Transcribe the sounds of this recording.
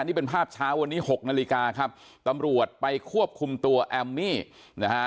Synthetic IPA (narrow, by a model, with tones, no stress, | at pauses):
niː˥˩pe˧npʰaː˥˩p̚t͡ɕʰaː˦˥wa˧nːiː˦˥ho˨˩k̚naː˧li˧kaː˧kʰa˦˥p̚ | t̪a˧mɾu˨˩ət̪̚pa˧jkʰu˥˩əp̚kʰu˧mt̪u˧ɐʔɛ˧mːiː˥˩ | na˦˥